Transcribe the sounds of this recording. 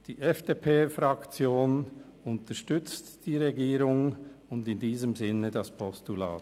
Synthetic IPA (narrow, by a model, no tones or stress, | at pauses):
d̥iːʔɛfd̥eːpʰeːfʁɑkt͡sjoːn | ʊntəʃtʏt͡std̥iːʁeɡiːɾʊŋʊndɪndiːzəmzɪnːədɑspʰɔstula̰ːt